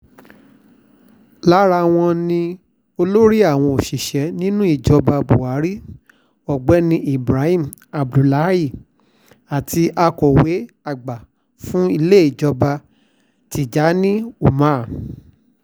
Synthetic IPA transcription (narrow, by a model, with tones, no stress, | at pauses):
la˦ɾa˧w̃ɔ̃˧nĩ˧ | o˧lo˦ɾi˦a˦˨w̃ɔ̃˧o˨ʃi˨ʃɛ˨˦nĩ˦nũ˦i˦˨d͡ʒɔ˧ba˧bo˨a˨˦ɾi˦ | ɔ˨ɡ͡bɛ˨˦nĩ˧i˨bɾa˨˦hĩ˦m̩˨ | a˨bdu˨la˨˦i˦˨ | a˨tʰi˧ʔa˧kɔ˨we˨˦ | a˦˨ɡ͡ba˨ | fũ˦i˧le˦˨i˨d͡ʒɔ˧ba˧ | ti˨d͡ʒa˨˦nĩ˦u˦˨mã˨˦˨